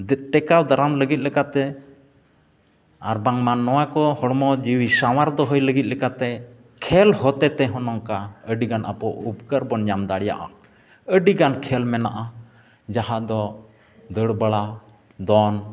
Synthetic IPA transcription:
d̪ɛʈɛkawd̪aɾamləɡit̪̚lɛkat̪ɛ | a̰ɾbaŋmanːɔwakɔhɔɽmɔd͡ʒiwisawaɾd̪ɔɦəjləɡit̪̚lɛkat̪ɛ | kʰɛlhɔt̪ɛt̪ɛɦɔnɔŋkaəɖiɡanʔa̰pɔʔupkəɾbɔnɲamd̪aɽja̰ʔa̰ | əɖiɡankʰɛlmɛnaʔa | d͡ʒaɦad̪ɔ | d̪əɽbəɽa | d̪ɔn

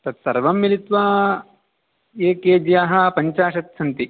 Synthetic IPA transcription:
t̪ɐt̪sɐɾʋɐmːilit̪ʋaː | eːkeːd͡ʒjaːɦɐ̆pɐɲt͡ʃaːʃɐt̪sʰɐnt̪i

